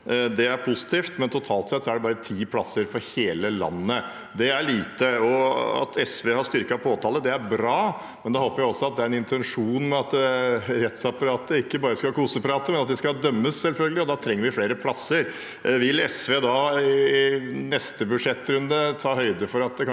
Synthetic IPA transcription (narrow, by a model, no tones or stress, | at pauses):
d̪ɛæɾpʰʊsɪ̥t̪ʰiːft̪mɛnt̪ʰʊt̪ʰɑːlt̪sɛt̪sɔæɖɛbɑːɾət̪ʰiːpʰlɑsːəɾfɔɾheːləlɑ̰nːə | d̪ɛæɭiːt̪əɔɑ̰t̪ʰɛsʋeːhɑst̪ʏɾkɑpʰoːt̪ʰɑːləd̪ɛæɾbɾɑː | mɛnd̪ɛhoːpəɾjæɪɔsːɔɑt̪̚d̪ɛæɾɛnɪnt̪ʰɛnʂuːnmɛɑt̪ɾɛt̪sɑpɑɾɑːt̪əɾɪkːəbɑːɾəskɑlkʰuːsəpʰɾɑːt̪əmɛnɑt̪̚d̪ɛskɑd̪œmːəssɛlfœlɡəlɪɔd̪ɑt̪ʰɾɛŋːəɾʋɪfleːɾəpʰlɑsːəɾ | ʋɪlɛsʋeːd̪ɑɪnɛst̪əbʉd̪ʂɛt̪ːɾʉnd̪ət̪ʰɑːhœʏd̪əfɔɾɑt̪̚d̪ɛkʰɑ